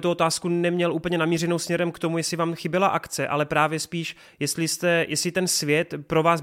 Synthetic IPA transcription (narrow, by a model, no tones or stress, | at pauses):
t̪uo̞t̪aːskunɛmɲɛlʔuːp̩ɲɛnamiːrɛno̞wsmɲɛɾɛmkt̪o̞mujɛslɪvaːmxɪbɪlaʔakt͡sɛʔa̰lɛpɾaːvjɛspiːʃ | jɛst̪lɪst̪ɛjʔɛslɪt̪ɛnsvjɛt̪pɾo̞vaːs